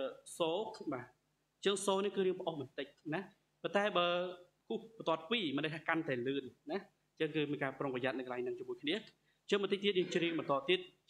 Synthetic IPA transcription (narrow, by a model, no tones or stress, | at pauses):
soːɓaː | t͡ɕəəŋsoːnihkɨːɾiəŋpə̆ʔohɓɑnt̪ɨc̚na | pont̪aɛɓəː | kuhpt̪ŏət̪̚piːmɨnɗəj̚kʰaːkant̪aɛlɨːnna | t͡ɕəŋkɨːmiənkaːproŋpəjat̪̚nɨkəlaɛjŋnɨŋt͡ɕomuəjkʰniə | t͡ɕəŋɓɑnt̪əc̚t̪iət̪̚jɨːŋt͡ɕɾiəŋɓɑnt̪oɔt̪iət̪̚